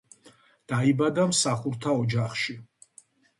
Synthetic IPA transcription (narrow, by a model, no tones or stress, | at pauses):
d̪̥aibad̪amsaχuɾt̪ʰaɔd͡ʒaχʃi